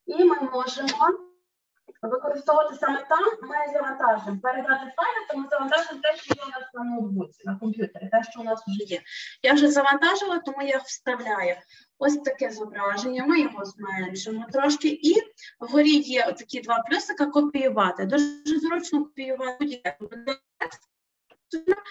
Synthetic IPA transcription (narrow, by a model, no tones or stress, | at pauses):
imɪmɔʒɪmɔ | ʋɪkɔɾɪst̪ɔʋɐt̪ɪsɑmɛt̪ɑmːɪzɐʋɐnt̪ɑʒʊɪmpeɾed̪ɑt̪ɪt̪ajnɐt̪ɔmuzɐʋɐnt̪ɑʒɪmt̪ɛʃt͡ʃɔjinɐsnɐnɪd̪ʋut͡s̪ʲɪnɐkɔmpʲjut̪eɾʲɪt̪ɛʃt͡ʃɔʊnɑsʊʒɛjɛjawʒɛzɐʋɐnt̪ɑʒɪlˠɐt̪ɔmujawst̪ɐwlʲajʊ | ɔsʲt̪ɐkɛzɔbɾɑʒenʲːɐmɪjɔɦɔzmɛnʒɪmʊt̪ɾɔʃkɪʔiɦɔɾʲijɛt̪ɐkʲid̪ʋɑplʲusɐkɐkɔpʲijʊʋɑt̪ɪd̪uʒʒɛzɾɔt͡ʃnɔkɔpʲijʊʋɑdʲiɛbd̪ɛt̪ɛkst̪ | t̪nɐ